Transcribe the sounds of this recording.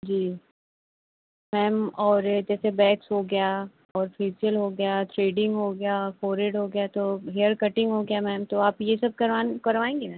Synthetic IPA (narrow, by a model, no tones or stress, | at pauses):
d͡ʒiː | mɛːmɔːɾd͡ʒɛːsebɛːksɦoɡɐja | ɔːɾfiːsiəlɦoɡɐjat̪ʰɾeːɖɪ̃ŋɡɦoɡɐjafɔːɾeɖɦoɡɐjat̪oɦejəɾkɐʈɪ̃ŋɡɦoɡɐjamɛːmt̪oaːpjesɐb̚kɐɾʋaːnkɐɾʋaːẽːŋɡenɛ̃ː